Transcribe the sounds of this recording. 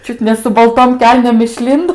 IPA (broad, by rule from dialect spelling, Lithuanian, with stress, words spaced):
ˈt͡ʃʲʊt nʲɛ sʊ bɐlˠˈtoːm ˈkʲɛlʲnʲeːm ɪʃʲˈlʲɪndoː